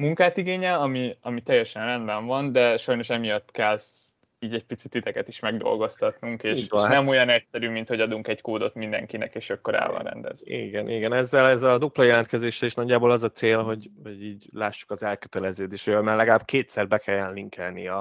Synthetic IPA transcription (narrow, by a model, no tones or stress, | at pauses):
muŋkaːt̪iɡeːɲɛɒmiɒmit̪ɛjːɛʃɛnrɛnd̪bɛɱvɒnd̪ɛʃɒjno̞ʃɛmijɒt̪ːkɛl | iːɟɛɟ̚pit̪si̥t̪ːit̪ɛkɛt̪iʃmɛɡd̪o̞̰lɡo̞st̪ɒt̪nuŋkeːiʃːnnɛmo̞jɒnɛcsɛɾyːmint̪ho̞ɟɒd̪uŋkɛɟkoːd̪o̞t̪mind̪ɛ̰ŋkinɛ̰keːʃɒkːo̞ɾa̰ːlvɒ̰nrɛ̰nd̪ɛ̰zyḭɡɛnʔiɡɛnɛzːɛlɛzːɛlɒd̪uplɒjɛlɛnt̪kɛzeːʃɛleʃnɒɟːaːbolɒzɒt̪seːlɦo̞ɟho̞ɟiːɟlaːʃːu̥kɒzɛlkø̥t̪ɛlɛzøːd̪eːʃhojojmaːlɛɡɒlaːbkeːt̪sɛrbɛkʰɛjːɛnliŋkɛlniɛ